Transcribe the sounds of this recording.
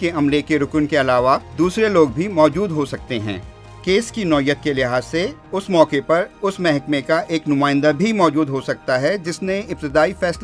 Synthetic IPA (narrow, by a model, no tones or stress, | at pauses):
keɐmlekeɾʊknkeɐlaːʋad̪uːsɾeloːɡ̚bʱimɔːd͡ʒuːd̪ɦosɐk̚t̪eɦɛ̰̃ː | keːskinɔːjːət̪̚kelɪɦaːzseʊsmɔːkepɐɾʊsmɛɦɛkmekaʔeːknʊmaːɪ̃nd̪abʱimɔːd͡ʒuːd̪ɦosɐk̚t̪aɦɛd͡ʒɪsneɪp̚t̪ɪd̪aːifɛːsl